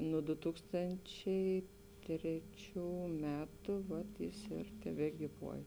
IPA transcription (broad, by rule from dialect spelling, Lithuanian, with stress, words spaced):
nuɔ dʊ ˈtuːkstɐnʲt͡ʃʲɛɪ ˈtʲrʲæːˌt͡ʃʲuː ˈmʲæːtʊ ˈʋɐt jɪs ɪr tʲɛbʲɛɡʲiːˈʋuɔj